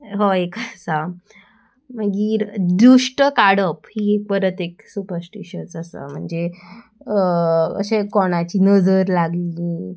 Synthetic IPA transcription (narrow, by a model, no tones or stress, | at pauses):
ɦoekasa | m̤əɡiːɾd̪uʂʈəkaɽəphiːek̚pəɾət̪eksupəɾsʈiɕənsəsə̰m̤əɳd͡ze | ə̰ɕekoɽ̃at͡ɕiːnəd͡zəɾlaɡlii